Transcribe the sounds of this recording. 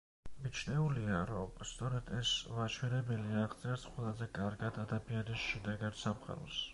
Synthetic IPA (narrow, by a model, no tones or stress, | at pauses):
mit͡ʃʰnɛuliaɾɔmst̪sʼɔɾɛd̪̥ɛsvat͡ʃʰwɛɾɛbɛliaʁd̪sʼɛɾsqʼwɛlˠazɛkʼaɾɡad̪ad̪abianisʃɛd̪ɛɡad̪samχʼa̰ɾɔ̰s